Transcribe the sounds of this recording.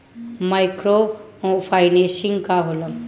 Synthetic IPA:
majkɾo | pʰajnesiŋɡkabuləm

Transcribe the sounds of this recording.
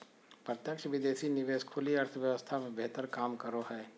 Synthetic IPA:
pɾɐt̪jəkʃəʋɪd̪eːsinɪʋeːʃkʰʊliɐɾt̪ʰəʋjɐʋəst̪ʰamẽbeɦt̪əɾkaːmkɐɾoɦɛː

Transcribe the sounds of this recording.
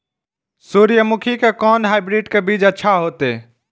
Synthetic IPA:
suːɾijəmʊkʰikekɔːnɦaɪbɾiɖkebiːd͡ʒətːʃʰaɦoːt̪e

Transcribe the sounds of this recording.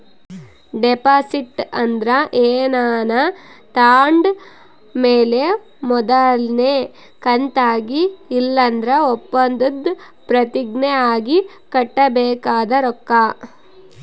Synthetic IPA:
ɖepaːsiʈːɐnd̪ɾɐʔeːnaːnɐ | t̪aːɳɖ | meːle | mɔd̪ɐlne | kɐnt̪aːɡiːlːɐnd̪ɾɐɔpːɐnd̪ud̪ | pɾɐt̪iɡneaːɡi | kɐʈːɐbɛːkaːd̪ɐɾɔkːa

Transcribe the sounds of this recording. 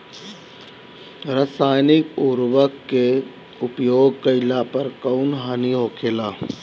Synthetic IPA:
ɾəsaːjnɪkuɾʋəkːe | ʊpjoːɡ̚kəɪlapəɾkəʊnɦaːniɦoːkʰeːlaː

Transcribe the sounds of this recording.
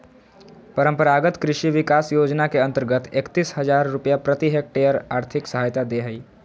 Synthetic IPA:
pəɾə̃mpəɾaːɡət̪kɾɪʃiʋɪkaːsjoːd͡ʒnakeɐ̃nt̪əɾɡət̪eːkt̪iːsɦɐzaːɾːʊpjapɾət̪iɦek̚ʈeːjəɾaːɾt̪ʰɪksɐɦaːjt̪ad̪eɦɐiː

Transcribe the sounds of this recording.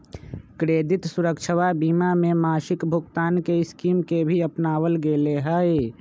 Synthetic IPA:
kɾeːd̪ɪt̪sʊɾəkt͡ʃʰəwabiːmamẽmaːʃɪkbʱʊɡt̪aːnkeɪskiːmkebʱiəpnaːwəlɡeleɦəe

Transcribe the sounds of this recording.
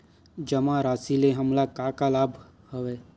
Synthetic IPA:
d͡ʒəmãɾaːsileɦəmlakakalaːbʱ | həʋeː

